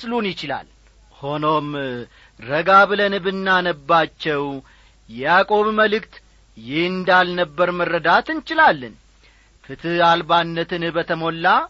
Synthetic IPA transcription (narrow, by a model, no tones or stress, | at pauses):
slunjɪt͡ʃɪla̰l | ho̞no̞m | ɾəɡaβɨlənɨbɨnːanəbːat͡ʃːɛw | jɛjakʼo̞βməlɨkt̪ | jɪhɨnd̪alnəbːəɾmərːəd̪at̪ɨnt͡ʃɪlalːɨn | fɨt̪ʰɨalbanːət̪ʰɨnbət̪ʰəmo̞lːa